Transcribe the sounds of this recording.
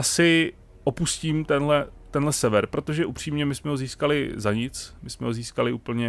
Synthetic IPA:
asɪ | ʔopusciːmt̪ɛnɦlɛt̪ɛnlɛsɛvɛɾpɾo̞t̪o̞ʒɛʔupr̝̥iːmɲɛmɪsmɛɦoziːskalɪzaɲɪt͡smɪsmɛɦo̞ziːskalɪʔuːpl̩ɲɛ

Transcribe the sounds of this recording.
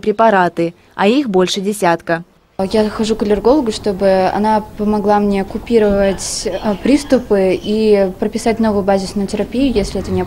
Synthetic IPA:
pɾʲɪpɐɾat̪ɨ | ɐ̰ixbo̞lʲʂɨdʲɪsʲat̪kə | jaxɐʐukəlʲɪrɡo̞lˠəɡʊʂt̪o̞bɨɐ̰napəmɐɡlˠamnʲe̞kʊpʲiɾəvətʲpɾʲist̪ʊpɨipɾəpʲɪsat̚ʲno̞vʊjʊbazʲɪsnʊjʊtʲɪɾɐpʲijʊjesʲlʲɪɛt̪ənʲɪɐ

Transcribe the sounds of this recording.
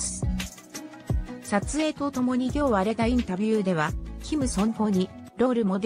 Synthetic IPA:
sat͡sɨe̞ːt̪o̞t̪o̞mo̞ɲ̟ikʲo̞ːβaːɾe̞t̪aĩnt̪abʲɯːd̪e̞β̞akʲimɯ̟sõ̞ɴho̞ːɲ̟iɾo̞ːɾɯ̟mo̞d̪

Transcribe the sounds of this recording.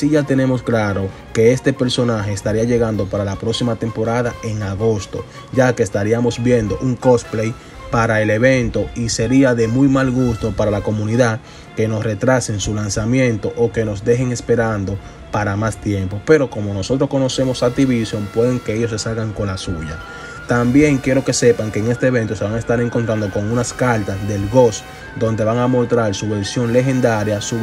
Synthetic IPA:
siʝat̪e̞ne̞mo̞sklaɾo̞ | ke̞e̞st̪e̞pe̞ɾso̞naɦe̞ːst̪aɾiaʝe̞ɣand̪o̞paɾalapɾo̞ksimat̪e̞mpo̞ɾaðaʔe̞ŋaɣo̞st̪o̞̰ | ʝake̞ːst̪aɾiamo̞sbje̞nd̪o̞̰ʔuŋko̞splej | paɾae̞le̞βe̞nt̪o̞ise̞ɾiaðe̞mujmalɣust̪o̞paɾalako̞mũniðað | ke̞no̞sre̞t̪ɾase̞ŋsulansamjẽ̞nt̪o̞ʔoke̞no̞sd̪e̞ɦe̞ŋe̞spe̞ɾand̪o̞ | paɾamast̪je̞mpo̞pe̞ɾo̞ko̞mo̞no̞so̞t̪ɾo̞sko̞no̞se̞mo̞sat̪iβisjo̞mpweðe̞ŋke̞eʝos̬e̞salɣaŋko̞nlasuʝa | t̪ambje̞ŋkje̞ɾo̞ke̞sepaŋke̞ːŋe̞st̪e̞ːβe̞nt̪ose̞βaŋaest̪aɾe̞ŋko̞nt̪ɾand̪o̞ko̞ŋunaskalt̪asðe̞lɣo̞s | d̪o̞nd̪e̞βaŋamo̞lt̪ɾaɾsuβe̞ɾsjo̞nle̞ɦe̞nd̪aɾjasu

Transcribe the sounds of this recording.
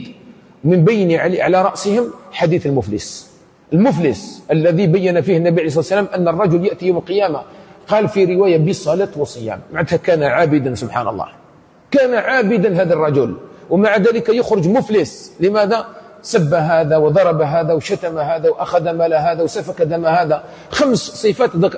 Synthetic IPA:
d̪ | wmɪnbajniʕʕa̰laɾˤɑʔsəhɪmħad̪iːθəlmʊflɪ̰s | ʔəlmʊfləsʔəlːæðibæjːanafiːhɪnːæbiʕaleijs̬ˤɑˤsːalaːmʔanːərˤːɑd͡ʒʊljaʔt̪ijowməlqɨjaːmaqɑːlfiɾɪwaːjabisˤɑlat̪wɑsˤɨja̰ːmmaʕad̪hakaːnaʕaːbɪd̪ansʊbħa̰nɑ̰lˤːɑ̰ːh | kænaʕaːbɪd̪alhæːd̪arˤːɑd͡ʒʊlwmaʕad̪æləkajʊxɾʊd͡ʒmʊfləsləmæd̪asabːaɦæːd̪awd̪ˤɑɾˤɑbaɦaːd̪awʃat̪amaɦæd̪awʔaxad̪amælaɦæd̪awsafakad̪æmahaːd̪a | xamssˤɨfat̪d̪

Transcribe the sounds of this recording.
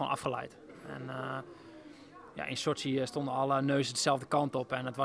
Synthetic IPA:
ona̰fχəlɛ̰jt | ɛ̰n | ja̰ʔɪnsosiəstondənɑlˠənøːzədəsɛlˠvdəkɑntɔpɛnətʋa

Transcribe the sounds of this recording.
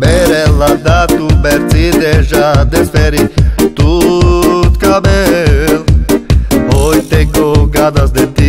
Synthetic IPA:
bɛɾɛlad̪at̪ubɛɾt͡sid̪eʒad̪esfɛɾit̪u | t̪kabɛl | ojt̪ẽŋɡoɡad̪azd̪et̪i

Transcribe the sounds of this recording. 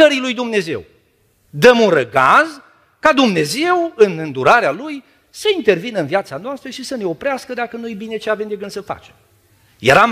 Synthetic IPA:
əɾilujd̪umne̞ze̞̰w | d̪əmunrəɡaz | kad̪umne̞ze̞wɨnɨnd̪uɾaɾealuj | səint̪e̞rvinəɨnviat̪sanoast̪ɾəʃisəne̞o̞pɾeaskəd̪akənujebine̞t͡ʃeave̞md̪e̞ɡɨnd̪səfa̰t͡ʃe̥m | je̞̰ɾam

